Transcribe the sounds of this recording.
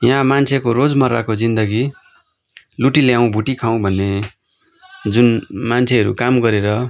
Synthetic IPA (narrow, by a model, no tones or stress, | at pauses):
jɦãmant͡sʰekoɾod͡zmʌra̰kod͡zind̪ʌɡi | luʈiljaw̃bʱuʈikʰaw̃bʱʌnːe | d͡zunmant͡sʰeɦʌɾṵkamɡʌɾeɾʌ